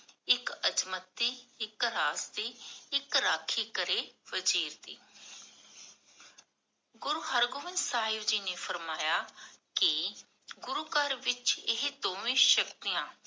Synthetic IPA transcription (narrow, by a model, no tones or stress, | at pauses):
ɪkət͡ʃmət̪ːiːɪkɾaːsd̪iːɪkɾaːkʰiːkəɾeːʋəd͡ʒiːɾd̪iː | ɡʊɾuːɦəɾɡʊʋɪnd̪saːɦɪd͡ʒiːneːfʰəɾmaːjaːkɪ | ɡʊɾuːkəɾʋɪt͡ʃɪɦd̪õːʋĩːʃəkt̪iːjãː